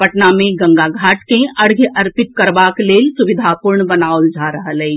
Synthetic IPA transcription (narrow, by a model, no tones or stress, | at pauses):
pəʈnamẽɡə̃ŋɡaɡʱaːʈkẽəɽɡʱjəʔəɾpɪt̪̚kəɾbaːkleːlsʊʋɪd̪ʱapuɾɳbənaːold͡ʒʱaɾəɦəlɛi